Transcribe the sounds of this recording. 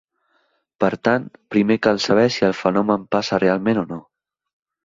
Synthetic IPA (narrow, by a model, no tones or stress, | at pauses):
pəɾt̪ant̪pɾimekalˠsəβ̞ɛsiəlˠfənɔməmpasərealˠmẽnono